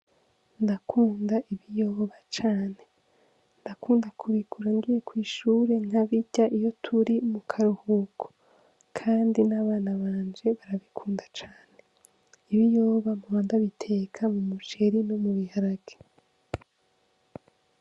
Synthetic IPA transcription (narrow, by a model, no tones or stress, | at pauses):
ndakʰuːndaʔiβijo̞ːβat͡ʃaːne̞ | ndakuːndakʰuβikʰuɾaŋɡije̞kwiːʃuːɾe̞ŋ̥haβiɟaʔijo̞tʰuɾimukʰaɾuhukʰo̥ | kʰaːndinaβaːnaβaːnd͡ʒe̞βaɾaβikʰuːndat͡ʃaːne̞ | iβijo̞ːβamuβaːndaβitʰe̞kʰamumut͡ʃe̞ɾino̞muβihaɾaɡ̥e̥